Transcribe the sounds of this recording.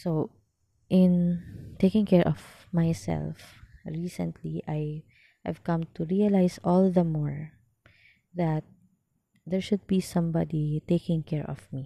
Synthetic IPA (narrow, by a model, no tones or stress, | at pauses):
so | ʔɪ̃nt̪eɪkɪ̃ŋkɛɹʔɔv̥ | majsɛ̰lfɹiːsɛ̰̃nt̪ʰliʔaj | hɛ̰v̥kʌ̃mt̪uɹiɐlaɪsɔld̪ɐmɔɹ | ðat̪̚ | d̪ɛɹʃʊd̪̚bisʌ̃mbɑd̪it̪eɪkɪ̃ŋkɛɹɔ̰vmi